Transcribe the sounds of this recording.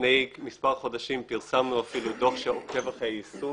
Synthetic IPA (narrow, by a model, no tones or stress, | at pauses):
nejmispaʁχo̞d̪aʃimpiʁsamnuafilud̪oχʃeoke̞vaχeisu